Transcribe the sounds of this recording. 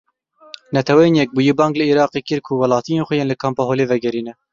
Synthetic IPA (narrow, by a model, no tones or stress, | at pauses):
nɛt̪ʰɛwɛjeːnjɛk̚buːjebɑːŋɡlɨiːɾɑːqekɪɾkʰuwɐlɑːt̪ijeːnxʷɛjeːnlɨkʰɑːmpɑɦoːleːvɛɡɛɾiːnɛ